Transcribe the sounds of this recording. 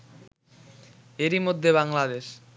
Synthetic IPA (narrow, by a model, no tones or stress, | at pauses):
eɾimod̪ʱːeβaŋlad̪eʃ